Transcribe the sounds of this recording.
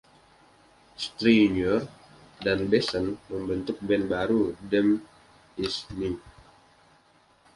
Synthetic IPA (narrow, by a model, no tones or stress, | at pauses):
st̪ɾiɲɔr | danbɛsənməmbənt̪ʊk̚bɛnbaɾudɛm | isni